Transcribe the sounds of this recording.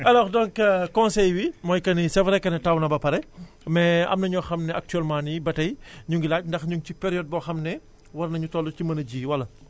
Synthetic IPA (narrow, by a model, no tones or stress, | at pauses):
ɐlɔxdɔŋkkɔ̃nsɛjwimɔːjkɐnisɛvɾɛkːɐnɐtawnɐbɐpɐɾɛ | mɛɐ̰mnɐɲɔːxɐmnɛʔɐk̚tyɛlmãnibɐtɐjɲuŋɡilaːc̚ndɐxɲuŋcipɛɾijɔd̚bɔːxɐmnɛ | wɐrnɐɲutɔlːucimɐnɐɟiːwɐlːɐ